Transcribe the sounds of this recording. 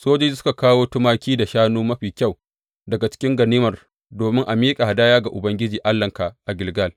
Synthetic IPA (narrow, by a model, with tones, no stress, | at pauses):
soː˦d͡ʒa˦sʊ˦ka˨kaː˦woː˦tʊ˦maː˦kʲiː˦da˨ʃaː˦nuː˦mɐ˦ɸiː˨kʲa˦˨w | dɐ˨ɡa˨t͡ʃɪ̥˦kʲɪ˦ŋɡɐ˨niː˦mɐ˨r | doː˨mɪ˦ŋʔa˨miː˦kʼa˨ha˨daː˦jaː˦ɡa˨ʔʊ˨bɐ˦ŋɡʲɪ˦d͡ʒiː˨ʔa˦lːɐ˨ŋka˨ʔa˨ɡʲɪ˨lɡa˦l